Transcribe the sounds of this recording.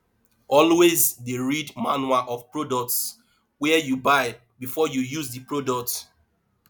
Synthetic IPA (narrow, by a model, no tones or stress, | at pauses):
ɔlwezdeɹidmanwaʔɔvpɹodɔk̚ts | wɛjubaɪ | bifɔjujuzdipɹodɔk̚t